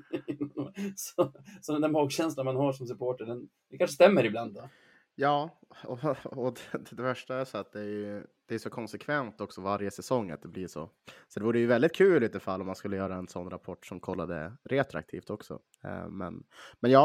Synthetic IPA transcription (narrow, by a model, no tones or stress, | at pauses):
nsɔsɔd̪ɛnd̪ɛmɑːɡɕɛnslanmanhaʂɔmsɵpʰoːʈəɖɛnd̪ɛkanʂəst̪ɛmːəɾɪbland̪ɔ | jɑːɔɔd̪ɛd̪ɛvæʂʈaæɾʂɔat̪̚d̪ɛjɵd̪̥ɛæɾjʏsɔkʰɔnsɛkʰvɛnt̪ɔksɔvaɾjəsɛsɔŋːa̰t̪̚d̪ɛbliʂo̰ | sɔd̪ɛvuːɾəjɵvɛld̪ɪt̪̚kʰʉ̟ːliːt̪ːəfalːɔmːanskɵlːəjœːɾaɛnsɔnːɾapʰɔʈːʂɔmkʰɔlːa̰d̪ə̰ɾet̪ɾa̰k̚t̪ʰḭːft̪ɔksɔ̰ | mɛ̰nmɛnjɑː